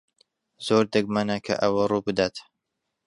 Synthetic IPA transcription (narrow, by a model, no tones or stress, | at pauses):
z̥oːɾd̪ɨɡ̚manakʰɐ̰ʔɐwɐruːbɨd̪aːt̪